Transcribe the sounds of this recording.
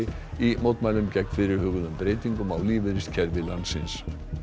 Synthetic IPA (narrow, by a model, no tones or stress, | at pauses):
ɪ | imowt̪majlʏmcɛkn̥fɪɾɪɾ̥hʏɣʏðʏmpɾeːjt̪iŋkʏmawliːvɪɾɪst̪cʰɛɾvɪlansɪns